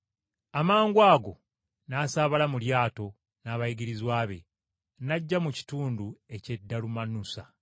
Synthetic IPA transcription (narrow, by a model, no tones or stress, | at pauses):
amaːŋɡwaːɡo̞ | naːsaːβalamuljaːto̞ | naːβajiɡiɾizwaːβe̞̰ | naɟːamuci̥tuːndue̞ce̞dːalumanusa